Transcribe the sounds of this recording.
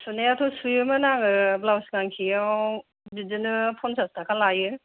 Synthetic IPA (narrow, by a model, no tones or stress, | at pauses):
suneatʰɔsujɯmɯnaŋɯblawsŋaŋkʰijaw | didɯnɯpʰɔnsʰastʰakʰalajɯ